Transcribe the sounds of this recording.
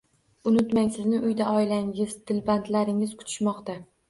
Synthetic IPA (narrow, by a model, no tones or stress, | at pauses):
ʊnʊt̪maŋsɪznɪʔʊjd̪aʔɒɪlaŋɪzd̪ʰɪlbant̪laɾɪŋɪz̥kʰʊ̥t̪ʰɪ̥ʃmɒqt̪a